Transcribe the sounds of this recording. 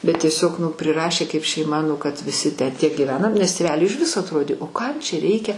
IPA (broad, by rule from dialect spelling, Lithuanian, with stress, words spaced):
bʲɛt ˈtʲiɛsʲoːk nʊ pʲrʲɪˈrɑːʃʲeː kɐɪp ʃʲɛɪˈmɐ nʊ kɐt ʋʲɪˈsʲɪ tʲæː tʲiɛ ɡʲiːˈʋʲæːnɐm nʲɛs tʲeːˈʋʲæːlʲʊɪ ɪʃ ˈʋʲɪsoː ɐtˈroːdʲeː oː ˈkɐm t͡ʃʲɛ ˈrʲɛɪkʲɛ